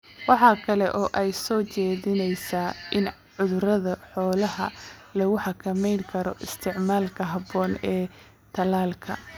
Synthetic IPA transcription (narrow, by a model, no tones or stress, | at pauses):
wɑħɑːkʰɐlɛʔɔːʔɛjsɔːt͡ʃɛːðɪnɛjsaːʔɪn | ʕʊðɾɐðɐħɔːlɐɦɐ̰lɐɣʊħɑkʰɐmɛjŋkʰɐɾɔʔɪst̪ʰɪʕmaːlkʰɐɦɐbɔːnɛː | t̪ʰɐlaːlkʰɐ̰